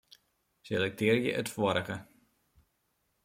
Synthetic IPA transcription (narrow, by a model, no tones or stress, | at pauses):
selɛk̚tʰɪərjə̰ʔətfoəɾəɣə